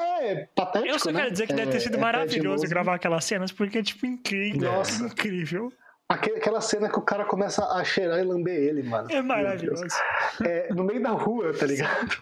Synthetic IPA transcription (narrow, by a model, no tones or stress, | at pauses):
ɛɛpat̪ɛt͡ʃewsɔnɛkɛɾʊd͡ʒɪizeɾkɪd̪ɛvɪt̪eɾsid̪ʊmaɾaviʎozzʊɡɾavaɾakɛlɐsːẽnɐspʊɾkeɛt͡ʃi̥pʊĩŋkɾivnɔsĩkɾivew | akeakɛlɐsẽnɐkɪʊkaɾɐkõmɛsɐʔaʃeɾaɪlɐ̃beelɪmɐ̰̃nʊɛmaɾaviʎozʊɛnʊmejʊd̪ahuɐt̪aliɡad̪ʊ